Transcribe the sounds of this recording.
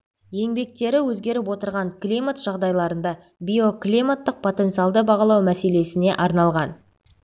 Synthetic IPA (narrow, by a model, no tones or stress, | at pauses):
je̞ŋbe̞k̚t̪e̞ɾɪwɵzɡʲe̞ɾɪp̬wo̞t̪əɾʁɑɴklʲimat̪ʒ̥ɑʁd̪ɑjlˠɑɾənd̪ɑ | bʲijo̞klʲimat̪ːəq̚pʰo̞t̪e̞nt̪sɨjɑlˠd̪əbɑʁɑlˠɑwmæse̞le̞sɪne̞ʔɑɾnɑlˠʁɑn